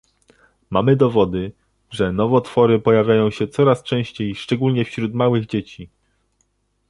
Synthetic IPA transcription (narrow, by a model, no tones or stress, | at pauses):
mamɘd̪ɔvɔd̪ɘ | ʐɛnɔvɔt̪fɔɾɘpɔjavʲjajɔ̃w̃ɕɛt̪sɔɾast͡ʂɛ̃w̃ɕt͡ɕejʂt͡ʂɛɡulɲɛfɕɾut̪mawɘɣd͡ʑet͡ɕi